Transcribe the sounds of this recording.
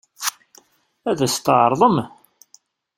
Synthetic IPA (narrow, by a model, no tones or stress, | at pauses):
æðæst̪əʕɾˤðˤəm